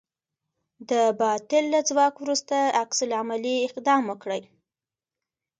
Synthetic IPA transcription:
d̪əbɑt̪ɪlːad͡zwɑkwɾust̪aːksʊlamaliɪqd̪ɑmwəkɽəj

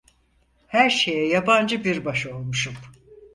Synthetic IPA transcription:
hæɾʃe̞jɛjaband͡ʒɯbiɾbaʃo̞lˠmuʃup

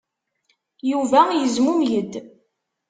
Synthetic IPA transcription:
juvæjəzmumjəd̪

